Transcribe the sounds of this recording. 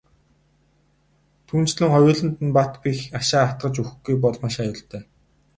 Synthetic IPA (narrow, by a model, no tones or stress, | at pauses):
t̪ʰuːn̥t͡ɕɮɘ̆ŋχɔjʊːɮɘ̆nt̪ɘ̆npat̪pʲixaʃaːt̪̚ɢə̆t͡ɕux̆ɡujpɔɮmaʃajʊːɮt̪œː